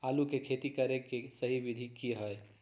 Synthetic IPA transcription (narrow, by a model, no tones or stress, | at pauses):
alukekʰet̪ikəɾekesəɦibid̪ʱikiɦəj